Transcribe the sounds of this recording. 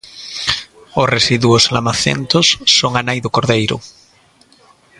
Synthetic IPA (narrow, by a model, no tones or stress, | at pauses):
osresiðwoslamaθḛnt̪osːoŋanajðokoɾðejɾo̰